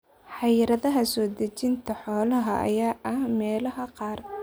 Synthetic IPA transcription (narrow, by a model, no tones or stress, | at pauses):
ħɑjɾɐðɐɦɐsɔːd̪ɐt͡ʃɪnt̪ʰɐħɔːlɐɦɐʔɐ̰jaːʔɐhmɛːlɐɦɐqɑːr